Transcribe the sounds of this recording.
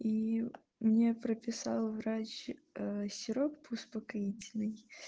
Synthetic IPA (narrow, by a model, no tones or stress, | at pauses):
i | mnʲepɾəpʲɪsɑ̰lˠvɾat͡ɕ | sʲɪɾokpʊspəkɐitʲɪlʲnɨj